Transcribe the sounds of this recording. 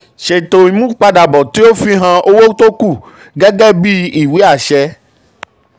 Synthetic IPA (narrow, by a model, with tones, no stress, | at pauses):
ʃe˨t̪o˨i˨mũ˦k͡pa˧ɖa˨bɔ˨t̪i˦o˦fi˦ɦã˧˦ʔo˦wo˦t̪o˦ku˦˨ | ɡɛ˦ɡɛ˦bi˦i˨wi˦a˨ʃɛ˦